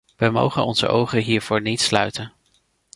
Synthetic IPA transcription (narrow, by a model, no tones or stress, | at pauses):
ʋəmo̰wχənɔnz̥ə̰ʔowχəɦiːɹv̥ʊːɹnitslœ̰ɥtən